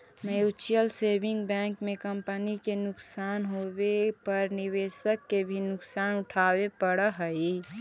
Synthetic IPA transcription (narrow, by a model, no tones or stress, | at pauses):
mejot͡ʃijəlsebʱɪ̃ŋɡbɛ̃ːŋkmẽkəmpənikenʊksaːnɦobepəɾniβeːsəkːebʱinʊksaːnʊʈʰaːwepəɽəɦəi